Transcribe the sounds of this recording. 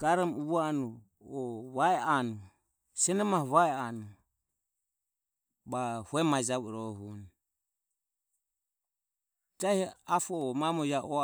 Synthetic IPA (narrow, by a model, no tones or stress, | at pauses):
ɡ̥aɾɔmuβanu | ɔβaɛanu | sɛnɛmahɔβaɛanu | bahuɛmad͡ʒaβuɛɾɔɦun | d͡ʒajhɛafɔːmamɔjaʔɔ